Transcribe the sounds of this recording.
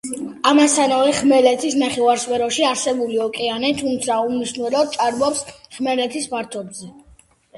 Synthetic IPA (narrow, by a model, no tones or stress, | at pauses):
amasanaɾɛχmɛlɛt̪ʰisnaχɛwaɾspʰɛɾɔʃiaɾsɛbuliɔkʼɛanɛt̪ʰumt̪sʰaumniʃnuɛlɔd̪̚t͡ʃʼaɾbɔpsχmɛlɛt̪ʰispaɾt̪ʰɔb̪zɛ